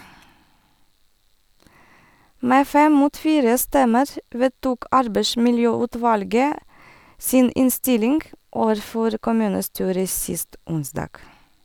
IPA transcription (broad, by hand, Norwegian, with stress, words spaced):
ˈmeː ˈfɛm ˈmuːt ˈfiːɾə ˈstɛməɾ ˈʋeːtuːk ˈɑɾbeɪsmɪlˌjøːʉːˌtʋɑlɡə ˈsiːn ˈɪnˌstɪlɪŋɡ ˈoːʋəɾˌfɔɾ kʊˈmʉːnəˌstyːɾə ˈsɪst ˈʊnsdɑːɡ